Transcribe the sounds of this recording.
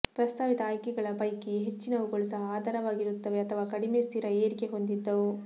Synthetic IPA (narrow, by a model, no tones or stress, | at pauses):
pɾɐst̪ʰaːʋid̪ɐːjkɛɡɐɭɐpɐjkiɦet͡ʃːinɐʋuɡoɭisɐaːd̪aːɾɐʋaːɡiɾut̪ːɐʋeɐt̪ʰɐʋaːkɐɽimest̪ʰiːɾɐeːɾikeɦo̞nd̪id̪ːɐʋu